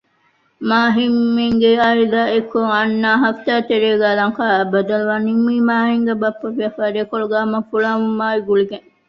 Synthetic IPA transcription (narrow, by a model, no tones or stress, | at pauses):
maːɦimːiŋɡeɐid̪aːekːoŋɐnːaːɦɐft̪aːt̪eɾeːɡæːlɐŋkaːbɐd̪ɐluʋaːnimːiːmaːɦiŋɡebɐpːɐfiɐfaːɾeːkoɭuɡaːmɐfuɭaːʋumːaːiɡuliɡeŋ